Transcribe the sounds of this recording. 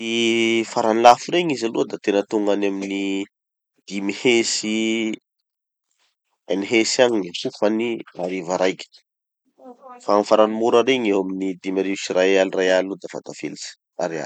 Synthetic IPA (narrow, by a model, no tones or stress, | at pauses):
ifaɾanilafuɾeɲizaluəd̪at̪enət̪uŋɡanamini | d̪̥imihesi | eniɦesaɲisufaniaɾivaɾajki̥ | faaŋifaɾanimuɾaɾeɲewaminid̪imaɾivsirajalirajalud̪afa̰t̪afḛlisi̥ | a̰ɾea̰